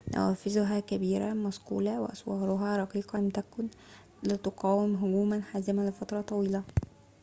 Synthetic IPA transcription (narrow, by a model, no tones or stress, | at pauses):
næ̰wæːfɪzʊɦæːkæbiːɾa̰mæsqṵːlæwɪ̰ʔɑsˤwɑːɾˤʊɦæɾˤɑqiːqɑmt̪ækʊn | lɪt̪oqɑːwɪmɦʊɡuːmænħaːzɪmælɪfɑt̪ɾˤɑt̪ˤɑwiːlæ